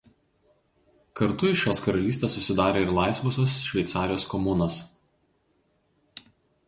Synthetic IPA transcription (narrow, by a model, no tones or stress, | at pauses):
kɐɾt̪ʊɪʃʲoːskɐɾɐlʲiːsʲt̪ʲesːʊsʲɪd̪ɑːɾʲeːɪɾlˠɑˑɪsʋɔsʲoːsʃʲʋʲɛɪt̪sɑːɾʲɪjoːskɔmʊnoːs